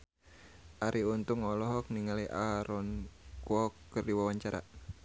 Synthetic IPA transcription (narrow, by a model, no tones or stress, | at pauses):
ʔaɾʔiunt̪uŋɔlɔɦɔk̚niŋaliʔaɾɔnkuɔkːərdiwawaɲt͡ʃaɾa̰